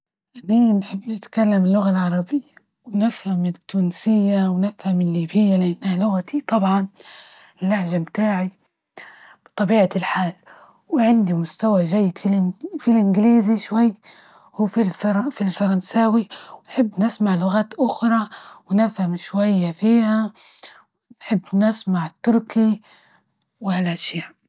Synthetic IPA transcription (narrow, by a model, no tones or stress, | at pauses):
ʔaniːnħɪbːnɪt̪kalːamɪlːʊɣalʕɑɾˤɑbɪjːa | wɪnɪfhamːt̪ːuːnsɪjːawnɪfhamːɪlːiːbɪjːalɪʔanːhalʊɣat̪it̪ˤɑbʕɑn | lːaħʒamt̪aːʕi | b̥ɨt̪ˤɑbiːʕalħaːl | wɪʕɪnd̪imʊst̪awaʒajːɪd̪filfilʔɪnɡliːziʃwajː | huːfilfɑɾˤɑfilfɑɾˤɑnsaːwiwɪnħɪbːnɪsmaʕlʊɣaːt̪ʔʊxɾˤɑwɪnɪfhamʃwajːafiːha | wɪnħɪbːnɪsmaʕt̪ːʊɾki | wɪhalʔaʃaː